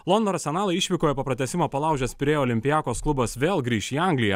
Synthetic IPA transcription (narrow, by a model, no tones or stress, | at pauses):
lˠond̪oːɾɐsʲɛnɑːlˠɐɪɪʃʲʋʲikoːjɛpoːpɾɐt̪ʲɛsʲɪmoːpɐlˠɑˑʊʒʲɛspʲɾʲiɛoːlʲɪmʲpʲɪjæːkoːsklˠʊbɐsʋʲeːlˠɡɾʲiːʃiːɑŋʲɡlʲɪjɛ